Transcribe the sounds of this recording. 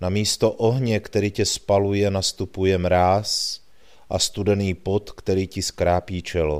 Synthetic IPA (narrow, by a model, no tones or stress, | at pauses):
namiːst̪ɔʔɔɦɲɛkt̪ɛɾiːcɛspalujɛnast̪upujɛmɾaːs | ʔast̪ud̪ɛniːpɔt̪kt̪ɛɾiːciskɾaːpiːt͡ʃɛlɔ̰